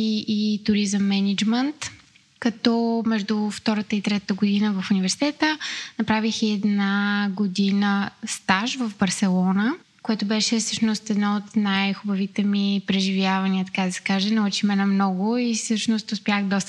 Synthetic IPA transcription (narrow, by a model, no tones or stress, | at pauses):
iːt̪ʊɾizəmːɛnid͡ʒmənt̪ | kɐt̪ɔmɛʒd̪ʊft̪ɔɾət̪əit̪ɾɛt̪ət̪əɡʊd̪inəvɐfunivɛɾsi̥t̪ɛt̪ənɐpɾavixiɛd̪naɡod̪inəst̪aʃvəvbɐɾsɛlˠɔnə | koɛt̪ʊbɛʃɛfsɤʃnost̪ɛd̪nɔot̪najxʊbɐvit̪ɛmipɾɛʒivjavɐniət̪ɐkad̪ɐsɛ̥kaʒɛnɐut͡ʃimɛnɐmnɔɡʊifsɤʃnost̪ʊspʲjaxd̪ɔst̪